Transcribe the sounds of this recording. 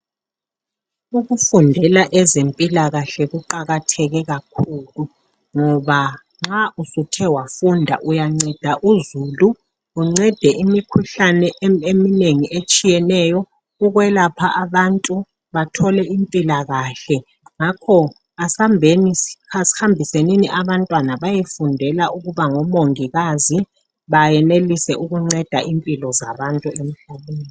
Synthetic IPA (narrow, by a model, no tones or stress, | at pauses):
uɣufundʱɛlaʔɛzempʼilaɣaɬɛɣuǃaɣatʰɛɣɛɣakʰuːlu | ŋɔβa | ŋ͡ǁausutʰɛwafundʱa̰ʔujaŋ͡ǀɛd̥ʱaʔuzuːluː | ŋ͡ǀɛd̥ʱɛʔimikʰuɬanɛʔemineŋiʔet͡ʃʼijɛnɛjɔ | uɣwɛlapʰaʔaβantʼu | βatʰɔlɛʔimpʼilaɣaɬɛ | ŋakʰɔ | asambʱeniasi̥hambʱiseniniʔaβantʼwanaβajefundʱɛlaʔuɣuβaŋɔmoŋiɣazi | βajɛnelisɛʔuɣuŋ͡ǀɛd̥ʱaʔimpʼilɔzaβantʼuem̩ɬaβeːni